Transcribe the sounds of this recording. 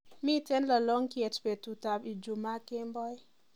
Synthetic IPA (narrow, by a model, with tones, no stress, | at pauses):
mi˦te˦nla˨lɔ˦ŋkiɛ˨t͡ʃpe˨tu˨ta˨pi˨d͡ʒu˨ma˦ke˦mbɔ˦j